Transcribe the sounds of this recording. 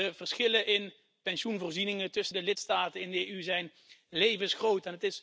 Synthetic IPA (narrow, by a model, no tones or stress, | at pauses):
əvərsχɪləʔɪn | pɛnʃunvoːɹzinɪŋətɵsəndəlɪtstaːtənɪndəeyzɛjn | lejvənsχrowtɛnətɪs